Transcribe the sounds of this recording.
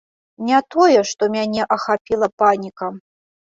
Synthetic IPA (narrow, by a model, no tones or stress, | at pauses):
nʲɛt̪ɔjɛʂt̪ɔmʲanʲɛʔɐxapʲilˠɐpanʲikɐ